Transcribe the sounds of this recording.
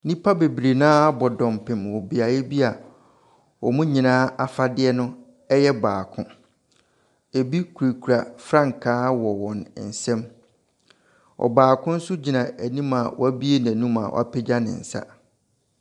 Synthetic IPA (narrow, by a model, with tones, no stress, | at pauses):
nĩ˦pʰa˦be˨bɾe˨nãː˦a˦bɔ˨dɔ̃˨mpʰɪ̃˨mwɔ˨bi˨a˨jɛ˦bi˦a˨ | wɔ˨mũ˦ɲĩ˨nãː˦a˨fa˦dɪ˦ɛ˦nʊ̃˦ | ɛ˦jɛ˦baː˨kʰʊ̰̃˦ | e˨bi˦kʰu˨ɾe˨kʰu˨ɾa˨fɾã˦ŋ˨kʰaː˦wɔ˨wɔ̃˨n˨n̩˨sɛ̃˦m | ɔ̰˨baː˨kʰʊ̃˦n̩˦sʊ˦d͡ʑi˨nã˨ʔæ˨nĩ˦ma˨wɔ̰˦æ˦bi˦e˦˨n˨æ̃˨nũ˦ma̰˨wʔa˦˨pʰɛ˦d͡ʑa˦nɪ̰̃˨n̩˨sa̰˦